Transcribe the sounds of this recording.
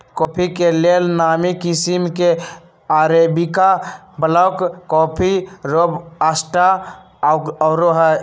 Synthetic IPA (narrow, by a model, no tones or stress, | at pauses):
koːpʰikelelnaːmikisimke | aːɾebika | bələʊkkɔːpʰiɾobəsʈa | ɾoɦə